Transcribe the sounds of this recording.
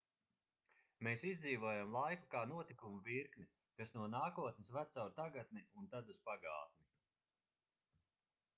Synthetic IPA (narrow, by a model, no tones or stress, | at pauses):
meːsizd̪ziːvuɔjamlˠajkukaːnuɔt̪ikumuviɾkni | kasnuɔnaːkuɔt̪nesvæt̪sawɾt̪aɡat̪̚niunt̪ad̪uspaɡa̰ːt̪̚mi